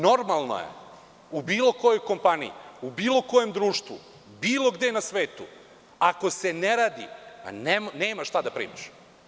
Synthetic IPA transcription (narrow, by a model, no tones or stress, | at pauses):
no̞ɾmalˠno̰jḛ | ubiːlˠo̞kojo̞jko̞mpanḭḭubiːlo̞ko̞jemd̪ɾuːʃt̪ʋṵ | biːlˠo̞ɡd̪enasʋe̞ːt̪ṵ | ako̞se̞neɾaːd̪ḭa̰nemneːmaʃt̪ad̪apɾḭːmiʃ